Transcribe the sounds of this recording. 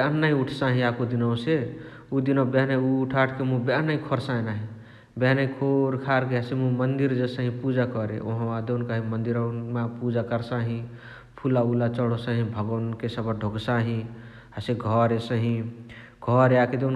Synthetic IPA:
bnːaĩuʈʰsaɦĩakud̪inəwse | ud̪inəbeɦnauːʈʰaʈʰkemũbenaĩkʰoɾsaẽnaɦĩ | beɦnakʰoɾkʰaɾkeɦəsemũmənd̪iɾd͡ʒesə̃ɦĩpud͡ʒakɔɾḛʔoɦad̪eunkaɦĩmənd̪iɾmapud͡ʒakəɾsaɦĩ | pʰulaulat͡ʃəɽ̤osə̃ɦĩbʱəɡənkesəbʱəɖʱoɡsaɦĩ | ɦaseɡʱɔɾesəɦĩ | ɡʱɔɾjaked̪en

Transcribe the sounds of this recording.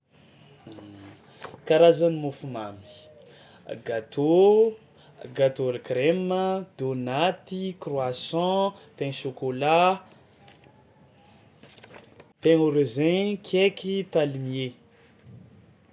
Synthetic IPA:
kaɾazanimufumami̥ | ɡat̪ʰo | ɡat̪oɾikɾeməd̪̥onat̪ikrwasɔ̃t̪ẽnʃokola | pẽŋoɾezẽkʰekipalimie

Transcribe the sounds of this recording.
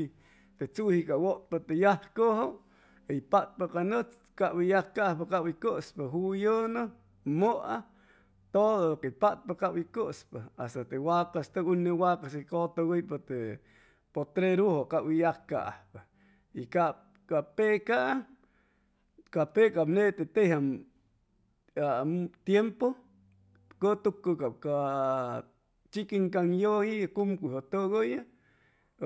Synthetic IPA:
t̪et͡suhikawoʔt̪̚pat̪ejahkoɦoʔ | ipat̪̚pakanət͡s | kawijakkaʔhpakawikəʔspɨɦujənɨ | moʔa | t̪oðookepat̪̚pakawikəʔspɨast̪at̪ewakast̪ɨunɨwakasikot̪owijpɨt̪e | pot̪ɾeɾuhokaʔwijahka̰ʔapa | ika | kapeʔkaʔa | kapeʔkapneʔt̪et̪eʔha | at̪jempo | kot̪ukɨkap̚ka | t͡ʃikiŋkaŋjohikumkʷihot̪oɣoja

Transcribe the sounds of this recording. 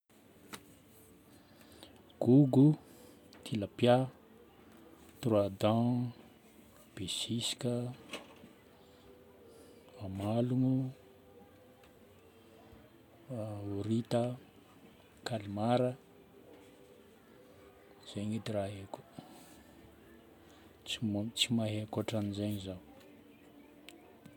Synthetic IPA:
ɡ̥uɡu | t̪ʰilapja | t̪urad̪ã | b̥esisi̥kʲə | amaluŋu | uɾit̪ə | kalimaɾə | z̥eɲid̪iɾaɦeko̥ | t͡simt͡simaɦeakoʈ͡ʂanizejɲizaw

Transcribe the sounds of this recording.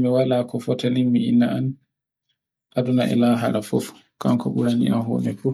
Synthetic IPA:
miwalaːkɔfɔtaniŋmiinːaan | ʔadunaʔɛ̰laɦaɾafɔf | kamkɔɓuɾanḭa̰mɦɔ̰ːnɛfu

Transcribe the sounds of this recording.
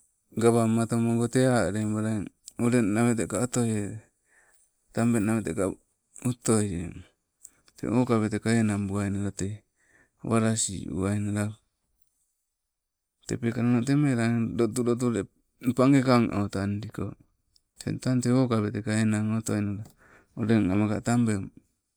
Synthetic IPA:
ɡaβamat̪omoŋɡoteaɾembaɾa | oɾenaβetekaotoje | tambenaβeteka | ut̪ojḛ | tḛokaβetekaenambuajnaɾate | waɾasḭṵainaɾa | t̪epekaɾanotemeɾadot̬uɾot̬uɾe | paŋɡekaŋʔo̰tandiko̰ | tḛtanteokabetekaenaŋotojnoa | oɾeŋamaka̰tambem

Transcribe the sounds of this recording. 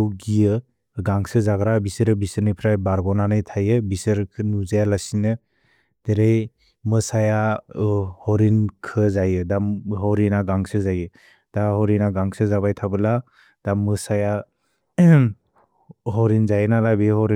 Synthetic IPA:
wɡijɯ | ɡaŋsɯzaɡɾabisɯɾɯbisɯɾnipʰɾajbaɾɡɔnanɯjtʰajɯbisɯɾkʰɯnuzajalasinɯ | d̥eɾej | mɯsaja | hɔɾinkʰɯzajɯdamɦɔɾinaɡaŋsɯzajɯ | d̥ahɔɾinaɡaŋsɯzabajtʰabɯla | d̥amːɯsaja | ɦɔɾinzajɯnalabehɔɾi

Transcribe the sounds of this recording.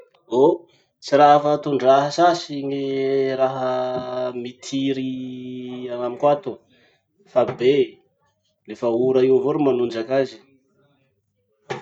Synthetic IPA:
o | t͡siɾaɦafat̪uɳɖ͡ʐaɦəsasiɲiɾaɦə | mit̪ʰiɾi | anamikat̪u | fabe | lefauɾaiwvuɾumanund͡ʒakazi̥

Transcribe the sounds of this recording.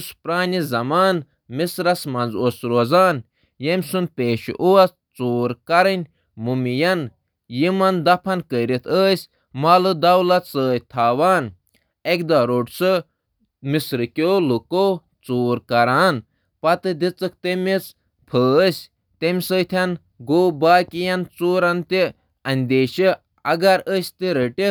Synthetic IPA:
spɾaːnʲizɐmaːn | misɾɐsmɐnzoːsɾoːzaːn | jemʲsunpeːʃḭʔuɐs | t͡soːɾkɐɾɨnʲ | mumijɐn | jimɐnd̪ɐpʰɐnkəɾit̪ʰəːsʲ | maːlɨd̪ɐwlɐt̪səːjt̪ʰaːʋaːn | ekd̪aɾoʈsɨ | misɾɨkʲoːluko | t͡soːɾkɐɾaːn | pɐt̪ɨd̪it͡sɨk̚t̪emit͡s | pʰəːsʲ | t̪emʲsəːt̪ʰʲan | ɡoːbaːkʲijɐnt͡soːɾɐnt̪i | ɐnʲd̪eːʃi | ɐɡɐɾəsʲt̪iɾəʈʲi

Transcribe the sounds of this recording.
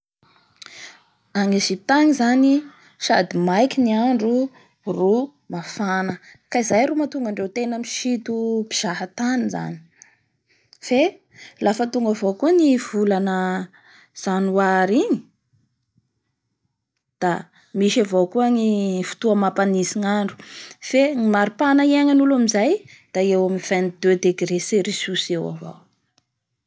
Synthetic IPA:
aŋeʒip̚t̪aŋizani | ʃad̪imajkiniaɳɖ͡ʐu | ru | mafanəkaizajɾumat̪uŋɡaɳɖ͡ʐewt̪enəmiʃit̪upi̥z̥aɦat̪aniza̰ni̥ | fe | lʔafət̪uŋɡavokuniv̥ulanə | z̥anuwaɾiɲi | d̪̥a | miʃavokuanifu̥t̪uamapanisiŋaɳɖ͡ʐu̥feimaɾipanaiaŋanulamizajd̪̥aewamiv̥and̪ød̪eɡɾeseɾisusewa̰vo̰w

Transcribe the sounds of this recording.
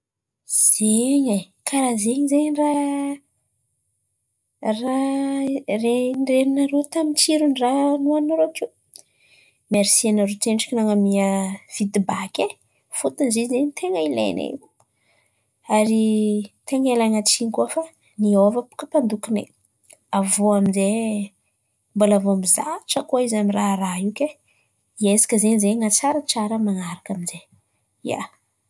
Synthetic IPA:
z̥eɲa | kʰaɾazeɲizeɲra | ra | renreninaɾot̪amit͡siɾunranuanaɾoke | meɾisianaɾot̪eɳʈ͡ʂi̥kʲinaŋamiəv̥id̪ibakʲe | fut̪nzezeɲt̪ʰeŋəila̰jnḛ̥ | aɾit̪eŋelaŋat͡sinikuafa | niovəpu̥kəpand̪ukinḛ | avoaminze | mbolavoamizaʈ͡ʂəkuaizamiraɦɾaɦike | iesi̥kʲəzenizeŋat͡saɾət͡saɾəmanaɾakaminze | ia̰

